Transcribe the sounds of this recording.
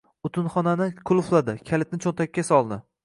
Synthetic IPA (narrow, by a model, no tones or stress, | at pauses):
ʊt̪ʰɪnχɒnanɪkʰʊlˠʊflˠad̪ɪkʲʰalɪt̪̚nɪt͡ʃʰont̪ʰakʲːasɒlˠd̪ɪ